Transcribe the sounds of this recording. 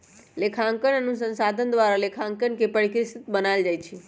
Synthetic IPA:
lekʰãŋkənənũsə̃nsad̪ʱənd̪ʋaɾalekʰãŋkənkepəɭikɾist̪bənald͡ʒajt͡ʃʰe

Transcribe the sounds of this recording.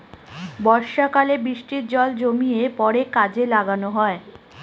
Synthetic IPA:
bɔɾʃakalebɾiʃʈiɾd͡ʑɔld͡ʑomijepɔɾekad͡ʑelaɡanoɦɔe

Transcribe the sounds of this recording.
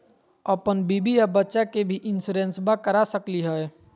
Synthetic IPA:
əpənbiːbijabətːʃakebʱiʔɪnsuɾẽnsbakəɾasəkliɦɛe

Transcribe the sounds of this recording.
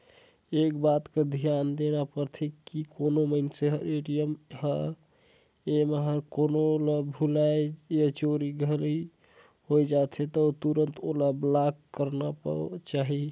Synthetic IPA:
ekbat̪ked̪ʱijand̪enapəɾt̪ʰekikonoməɪnseɦɾeɖijəmhə | emeɦəɾkonolabʱulajjet͡ʃoɾiɡʱəli | hojd͡ʒat̪ʰet̪ət̪uɾənt̪ʰolablakːəɾnapə̰t͡ʃaɦi

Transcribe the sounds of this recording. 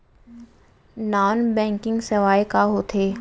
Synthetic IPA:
naːnbɛ̃ːŋkɪ̃ŋɡsɐʋaːekaɦoːt̪ʰeː

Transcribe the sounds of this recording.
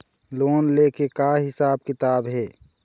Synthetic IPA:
loːnleːkekaɦɪsaːb̚kɪt̪aːbɦɛː

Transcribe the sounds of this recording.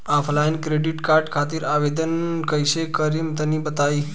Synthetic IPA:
afʰlajnkɾeɖiʈkaɾɖkʰat̪iːɾaʋed̪ənkəjɕekəɾiːmt̪əniːbət̪aiː

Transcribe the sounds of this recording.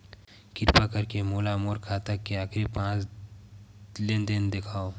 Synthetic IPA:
kɪɾpakɐɾkemoːlamoːɾkʰaːt̪akːeaːkʰɾipãːt͡ʃ | lend̪ɪnd̪ekʰaːo

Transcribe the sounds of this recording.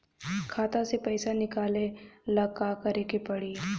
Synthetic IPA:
kʰaːt̪ãsepɛɪsanɪkaːlẽlɐkaːkɐɾekepɐɽiː

